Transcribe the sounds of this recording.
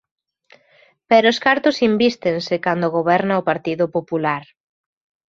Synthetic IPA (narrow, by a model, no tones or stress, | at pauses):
pɛɾʊskaɾt̪ʊsimbist̪ensɪkand̪oɣ̞oβ̞ɛɾnaopaɾt̪iðʊpopulaɾ